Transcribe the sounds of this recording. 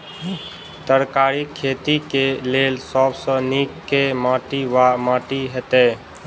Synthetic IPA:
t̪əɾkaɾikʰːeːt̪ikeleːlsɔbsə̃nikːemaːʈiʋamaːʈiɦɛt̪e

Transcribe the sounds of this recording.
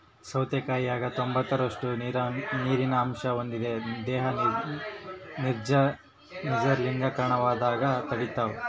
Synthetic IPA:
sɐwt̪jɐkaːjiaːɡɐt̪o̞mbɐt̪ːɐɾɐʂʈuɾɐniːɾinɐːmʃɐond̪id̪ed̪ɛːɦɐ | niɾd͡ʒɐ | nid͡ʒɐɾliŋɡɐkɐɾɐɳɐʋaːd̪aːɡɐt̪ɐɽit̪ːaːʋu

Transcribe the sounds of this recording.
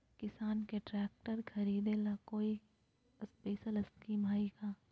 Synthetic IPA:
kɪsaːnkeʈɾɛːk̚ʈəɾxʰɐɾiːd̪enakoːi | speːʃəlɪskiːmʱaːikaː

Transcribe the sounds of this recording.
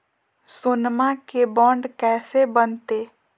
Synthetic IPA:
sʊnmakebɔ̃ːɳɖkɛːsebənt̪eː

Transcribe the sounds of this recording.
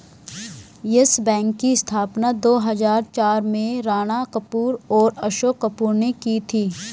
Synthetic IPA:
jɪsbɛ̃ːŋkːist̪ʰaːpnad̪oːɦɐzaːɾt͡ʃaːɾmẽɾaːɽ̃akəpuːɾɔːɾɐʃoːkːɐpuːɾnekit̪ʰiː

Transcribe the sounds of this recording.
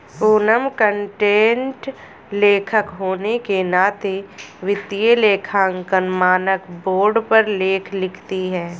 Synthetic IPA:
puːnəmkəɳʈẽːɳʈ | leːkʰəkɦoːnekenaːt̪eʋɪt̪ijeleːkʰãːŋkənmaːnəkboːɾɖpəɾleːkʰlɪkʰt̪iɦɛː

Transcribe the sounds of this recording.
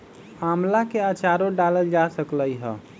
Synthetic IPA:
amlakeat͡ʃaɾoɖaləld͡ʒasəkləjɦə̰

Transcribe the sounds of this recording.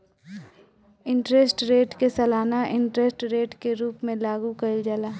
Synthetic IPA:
ɪ̃ɳʈɾesʈɾeːʈkesɐlaːnaʔɪ̃ɳʈɾesʈɾeːʈkeɾuːpmẽlaːɡukɐid͡ʒəlaː

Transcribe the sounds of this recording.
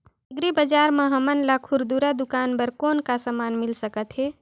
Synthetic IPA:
iɡɾibəd͡ʒaɾmeɦəmənlakʰuɾd̪uɾad̪ukanbəɾkonkasəmaːnmilsəkət̪ɦe

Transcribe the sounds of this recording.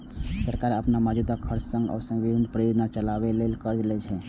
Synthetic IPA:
səɾkaɾəpnamad͡ʒud̪akʰəɾt͡ʃsə̃ŋɡə̰ːɾsəŋɡbibʱinpɾəjod͡ʒnat͡ʃəlabɛlelkəɾd͡ʒlɛt͡ʃʰɛ

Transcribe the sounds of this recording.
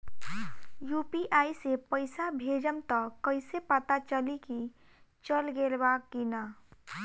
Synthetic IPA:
juːpiʔaːisepəɪsabʱeːd͡ʒəmt̪əkəɪsepət̪at͡ʃəliki | t͡ʃəlɡeːlbakːina

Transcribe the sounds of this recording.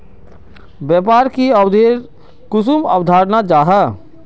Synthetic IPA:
bjɛːp̬aːɾkiəwd̪ʱeːɾ | kʊsuməwd̪ʱaːɾnad͡ʒaːɦa

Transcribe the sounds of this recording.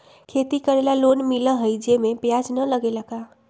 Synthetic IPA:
kʰet̪ikəɾelalonmilə̃ɦəjd͡ʒemepjad͡ʒnələɡelaka

